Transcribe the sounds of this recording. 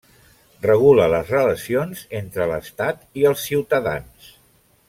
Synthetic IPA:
rəɣ̞ulələzrələsionzent̪ɾələst̪at̪iəlˠsːiwt̪əða̰ns

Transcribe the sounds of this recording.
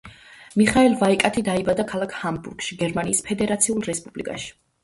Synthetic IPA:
miχaɛlˠvaikʼat̪ʰid̪aibad̪akʰalˠakʰhambṵɾɡ̥ʃiɡɛɾmaniːspʰɛd̪ɛɾat̪sʰiulˠɾɛspʼublikʼa̰ʃi̥

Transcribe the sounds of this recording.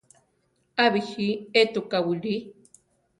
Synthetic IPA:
aβixiet̪ukawili

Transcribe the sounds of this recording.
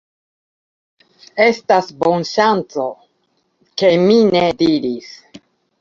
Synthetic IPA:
e̞stasbo̞nʃant͡so̞ | ke̞mine̞diɾis

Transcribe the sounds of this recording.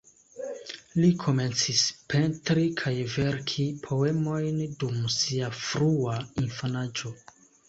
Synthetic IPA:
likʰo̞me̞nt͡sispe̞ntɾikʰajve̞ɾkʰipʰo̞e̞mo̞jndumsiafɾuainfanad͡ʒo̞

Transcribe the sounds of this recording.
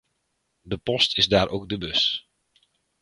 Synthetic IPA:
dəpɔstʰɪzdaːɾʔoːk̚dəbɵs

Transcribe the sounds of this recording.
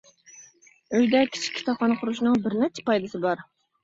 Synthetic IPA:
øjd̪ɛkʲʰi̥t͡ʃʰi̥kʲʰːi̥t̪ʰɑpʰɑnqʰʊɾuʃnɨŋbɪɾnɛt͡ʃʰːɛ̥pɑjd̪ɨsɨbɑɾ

